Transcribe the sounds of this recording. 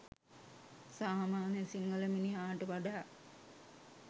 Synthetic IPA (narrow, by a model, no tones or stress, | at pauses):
saːmaːnjəsiŋɡələminiaːʈəʋaɖaː